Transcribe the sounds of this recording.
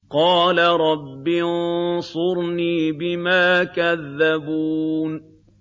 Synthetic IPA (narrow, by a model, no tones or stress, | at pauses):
qɑːlaɾˤɑbːinsˤʊɾniːbɪmaːkaðːabuːn